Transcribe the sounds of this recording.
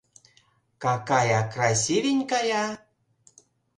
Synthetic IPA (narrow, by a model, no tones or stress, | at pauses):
kakajakɾasivinkaja